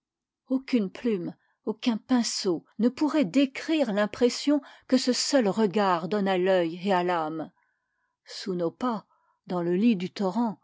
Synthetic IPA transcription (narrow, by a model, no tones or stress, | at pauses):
okʲynplym | okʲɛ̃pɛ̃sonəpuʁɛd̪ekχiʁlɛ̃pχesjɔ̃kəsəsœlʁəɡaʁd̪ɔnalœjealam | sunopa | d̪ɑ̃ləlid̪yt̪ɔʁɑ̃